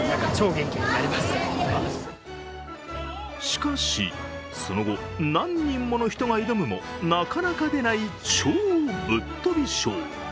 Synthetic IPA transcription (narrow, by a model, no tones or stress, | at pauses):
t͡ɕo̞ːɡẽ̞ŋkʲiɲiaɾʲimasɨ̥ | ɕi̥kaɕḭ | so̞no̞ɡo̞ | nãɲ̟ːĩmːo̞no̞çi̥t̪o̞ɡaiɾomɯ̟mo̞̰nakanakad̪e̞nait͡ɕoːbɯ̟t̪ːo̞bʲiɕo̰ː